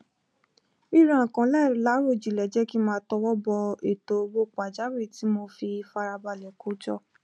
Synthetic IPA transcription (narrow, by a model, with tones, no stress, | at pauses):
i˦˨ɾã˨ã˨kã˨˦lɛ˦˨ɾla˨˦ɾo˦˨d͡ʒi˨lɛ˨d͡ʒɛ˨˦ki˦mãː˧˦tɔ˧wɔ˦bɔ˧e˨to˨˦˧bo˦k͡pa˨d͡ʒa˨˦we˦˨ti˨˦mo˧fi˧fa˧ɾa˧ba˧˨lɛ˨ko˨˦d͡ʒɔ˦˨